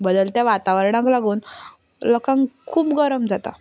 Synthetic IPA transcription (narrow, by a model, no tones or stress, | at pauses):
bəd̪əlt̪jãʋat̪aʋəɾɽ̃ãklaɡuːn | lɔkãŋkʰuːpɡəɾəmd͡zat̪a̰